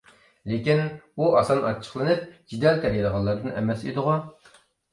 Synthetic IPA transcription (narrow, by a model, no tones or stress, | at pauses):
lekʲinbuʔɑsɑnɑ̰t͡ʃʰːə̥χlˠɨnɨp̚d͡ʒid̪ɛlt̪ʰɛɾjɛɾəʁɑlˠːɑɾd̪ɨnɛ̰mɛsid̪ɨʁʊ